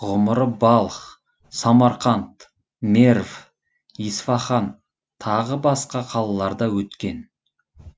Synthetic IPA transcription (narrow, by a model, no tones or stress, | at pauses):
ʁʊməɾəbɑlˠχ | sɑmɑɾqɑnt̪ | meɾv | isfɑχɑn | t̪ʰɑʁəbɑsqɑqʰɑlˠɑlˠɑɾd̪ɑwɵt̪kʲe̞n